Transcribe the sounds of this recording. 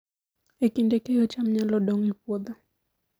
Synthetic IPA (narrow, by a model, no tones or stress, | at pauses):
ekindɛkɛjɔt͡ʃam̩ɲalɔɗɔŋipwɔd̪a